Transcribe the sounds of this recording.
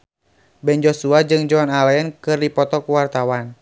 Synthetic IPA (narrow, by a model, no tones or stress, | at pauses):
bɛnd͡ʒɔsuad͡ʒɨŋd͡ʒɔnalɛɛnkɨrdipɔt̪ɔkuwart̪awan